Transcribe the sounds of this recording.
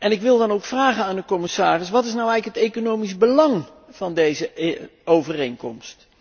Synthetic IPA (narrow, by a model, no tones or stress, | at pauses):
ɛnɪkʋɪlˠdɑnowkfraːχənaːndəkɔmɪsaːrɪsʋɑtɪs̬nawɛjɣləkɦətekonowmisbəlɑŋ | v̥ɑndejzəowvərejŋkɔ̰mst